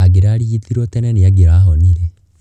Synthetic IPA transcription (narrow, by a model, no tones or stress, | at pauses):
aɡiɾaːɽiit̪iɾɔt̪ɛnɛniaɡiɾaɦɔniɾe